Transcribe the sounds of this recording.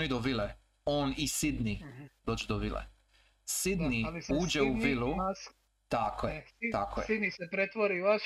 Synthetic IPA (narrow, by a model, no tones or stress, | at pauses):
nid̪oʋile | oːnisid̪nid̪̥oːd͡ʑed̪oʋilḛ | sid̪niuːd͡ʒeuvilu | t̪akojet̪akojid̪nisepɾet̪ʋoɾiʋaʃ